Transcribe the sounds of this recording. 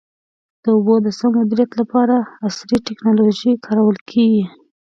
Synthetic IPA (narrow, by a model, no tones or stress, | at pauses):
d̪̥əʊbod̪əsəmʊd̪iɾijat̪lapɑɾaːsɾiʈɪknɑloʒikʰɑɾawəlkʰeɡi